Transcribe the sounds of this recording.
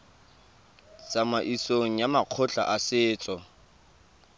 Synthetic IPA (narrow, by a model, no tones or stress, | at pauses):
t͡sʼamaʔisoŋ̩jamaq͡χʰʊɬa̰ʔasɪːt͡sʼɔ